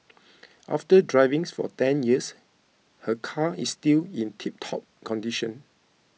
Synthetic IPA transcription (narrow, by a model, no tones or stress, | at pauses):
ʔa̰ftədɹaɪvĩŋsfɔ̰tɛ̃njiəs | həkʰaisːtilĩntʰip̚tʰɔp̚kʰɔ̃ndiʃə̃n